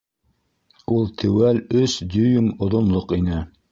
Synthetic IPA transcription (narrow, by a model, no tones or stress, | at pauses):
ulˠt̪ʰɘ̆wælɵsd̪ɵjɵmŏðŏnlˠoqinɘ